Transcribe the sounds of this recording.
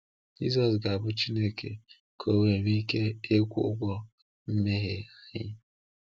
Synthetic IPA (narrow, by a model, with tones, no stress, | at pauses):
d͡ʒḭ˦zɔ˨s̬ɡa˨bʊ˦t͡ʃi˦ne˦kʰḛ˨ | kʰo˨we˨ɾi˦ke˦e˦kʷṵ˦ɡʷɔ˦ | m̩˦me˦ɦe˨hɪ̰˦